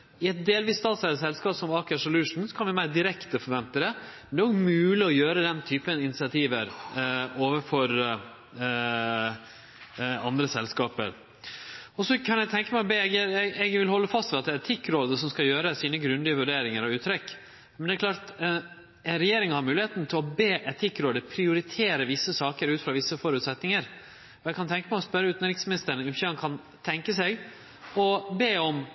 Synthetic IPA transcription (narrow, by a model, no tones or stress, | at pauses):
ɪɛt̪̚d̪eːlʋiːst̪ɑːt̪sæəsɛlskɑːpsɔmɑːkəʂɔlʉːʂn̩sɔ̥kʰɑnʋɪmæɪd̪ɪɾɛkt̪əfɔɾʋɛnt̪əd̪ɛmɛnd̪ɛːɾoːɡmʉːlɪɔjøːɾəd̪ɛnt̪ʰyːpənɪnɪsɪɑt̪ʰiːʋəɾ | oːʋəfɔɾ | ɑnd̪ɾəsɛlskɑːpə̰ɾ | ɔsɔkʰɑnjɛɡt̪ʰɛŋkəmæbeːɛɡəɾɛɡʋɪlhɔlːəfɑst̪ʋɛlɑt̪̚d̪ɛæɾɛt̪ʰɪkːɾoːd̪əsɔmskɑjøːɾəsiːnəɡɾʉnd̪ɪəʋʉɖeːɾɪŋəɾɑʉːt̪ʰɾɛkː | mɛnd̪ɛæɾklɑːɾt̪ | ɛnɾɛjeːɾɪŋhɑɾmʉːlɪheːt̪n̩t̪ʰɪlɔbeːʔɛt̪ʰɪkːɾoːd̪əpʰɾɪʊɾɪt̪ʰeːɾəʋɪsːəsɑːkəɾʉːt̪fɾɑʋɪsːəfɔɾʉːt̪sɛt̪nɪŋəɾ | ɔjɛɪɡkʰɑnt̪ʰɛŋkəmæɪɔspœɾːəʉːt̪nɾɪksmɪnɪst̪əɾɳnɪmçɑnkʰɑn | t̪ʰɛŋkəsɛɡ | ɔbeːɔm